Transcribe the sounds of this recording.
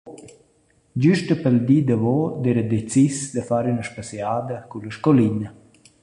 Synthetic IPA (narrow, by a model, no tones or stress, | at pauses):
d͡ʒyʃt̪əpəld̪iːd̪əvɔd̪ɛɾəd̪et͡sisd̪əfaɾynəʃpasiad̪əkuləʃkɔlinə